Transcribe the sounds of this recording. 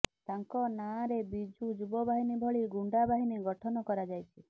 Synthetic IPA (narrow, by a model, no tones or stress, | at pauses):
t̪aŋkɔnaɾebid͡ʒʱud͡ʒubɔbʱaɦinibʱɔɭiɡuɳɖabʱaɦiniɡɔʈʰɔnɔkɔɾad͡ʒajt͡ʃʰi